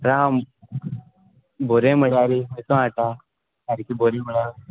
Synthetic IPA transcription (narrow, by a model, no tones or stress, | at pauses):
ɾam | boɾẽməɽaɾimet̪õaʈa | aɾikiboɾeməɽaɾ